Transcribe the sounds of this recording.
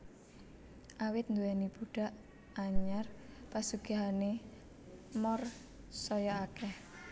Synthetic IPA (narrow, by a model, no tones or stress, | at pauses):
ʔawɪt̪̚nd̪uɛnib̥uɖ̥a̤ʔ | aɲarpasuɡ̥a̤ɦane | mɔr | sɔjɔakɛh